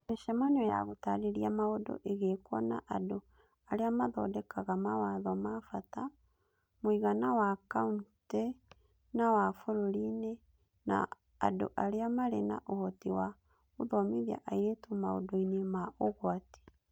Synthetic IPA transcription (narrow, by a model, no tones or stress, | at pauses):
meʃɛmanɛja̰ɣotaɾeɾiamaodɔ̰ʔeɣekwɔna̰ʔado | aɾeamaðɔ̰dɛkaɣamawaðɔmafata | mwiɣanawakaunte | nawafoɾoɾine | na̰ | a̰do̰ʔaɾeamaɾɛna̰ʔohɔtiwa | uðɔmiðja̰ʔaiɾetumao̰dɔinemaoɣwati̥